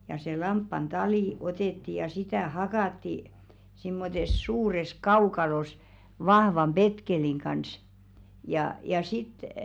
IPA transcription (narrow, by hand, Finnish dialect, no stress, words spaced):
jɑ se lɑmpːɑn tɑliˑ oteˑtːi jɑ sitæˑ hɑkɑˑtːi simːotes suːres kɑukɑlos ʋɑhʋɑm b̥etkeliŋ kɑns jɑ jɑ sit